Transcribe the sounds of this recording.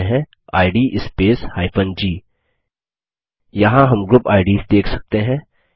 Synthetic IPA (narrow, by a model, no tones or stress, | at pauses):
ɦɛ̃ | a̰ːɪɖiːʔɪspeːshaːɪpʰənd͡ʒiː | jɐɦãɦɐmɡɾʊpaːɪɖiːsd̪eːkʰsɐk̚t̪eɦɛ̃ː